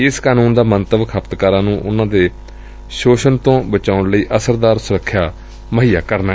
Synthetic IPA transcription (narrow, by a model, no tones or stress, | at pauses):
ɪskaːnũːnd̪aːmənt̪əʋkʰəpt̪kaːɾãːnũːʔʊnãːd̪eː | ʃoːʃənt̪õːbət͡ʃaːʊɳləiːʔəsəɾd̪aːɾsʊɾəkʰːjaː | məɦiːa̰ːkəɾna